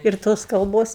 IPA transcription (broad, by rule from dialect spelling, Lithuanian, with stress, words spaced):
ɪr ˈtoːs kɐlˠˈboːs